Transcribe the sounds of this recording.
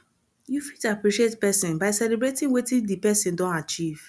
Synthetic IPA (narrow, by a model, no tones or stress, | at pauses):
jufi̥tapɹiʃietpɛsĩnbaɪsɛlebɹetĩŋwetĩdipɛsĩndɔ̃nat͡ʃiv̥